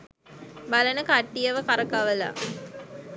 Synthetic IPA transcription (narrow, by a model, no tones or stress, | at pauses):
balənəkaʈːijəʋəkaɾəkaʋəla̰